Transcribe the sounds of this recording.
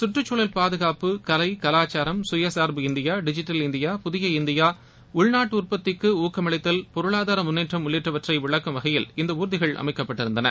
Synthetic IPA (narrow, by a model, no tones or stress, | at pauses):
sʊʈrɯt͡ʃːuːɭɐlpaːðɯɣaːpɯkɐlɐɪkɐlaːt͡ʃːaːɾɐmsʊjɐsaːɾbɯɪnd̪ɪjaːɖɪd͡ʒɪʈːɐlɪnd̪ɪjaːpʊðɪjɐɪnd̪ɪjaː | ʊɻnaːʈːʊrpɐt̪ːɪkːɯuːkɐmɐɭɐɪt̪ːɐlpɔɾɯɭaːðaːɾɐmʊnːeːʈrɐmʊnːeːʈrɐʋɐʈrɐɪʋɪɭɐkːɐmʋɐɣɐjɪlɪnd̪ɐuːɾɯðɪɣɐɭʔɐ̰mɐɪkːɐpːɐʈːɪɾɯnd̪ɐnɐ̰